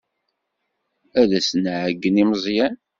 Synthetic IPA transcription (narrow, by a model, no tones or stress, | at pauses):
æðæsənʕəɡːənimzˤjæn